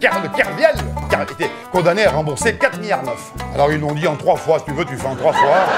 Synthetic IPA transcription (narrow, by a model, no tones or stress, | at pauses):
kɛləkʲɛʁvjɛlkɛet̪ɛ | kɔ̃d̪aneaʁɑ̃buʁsekat̪χmijaʁnœfalɔʁilːɔ̃d̪iɑ̃t̪χwafwasit̪yvøt̪yfɛɑ̃t̪χwafwa